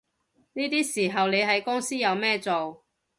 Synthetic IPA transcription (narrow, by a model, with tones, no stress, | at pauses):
niː˥t̪iː˥siː˨˩ɦɐ˨wle˨˧jɦɐ˨jkʊ˥ŋsiː˥jɐ˨˧wmɛː˥t͡so˨w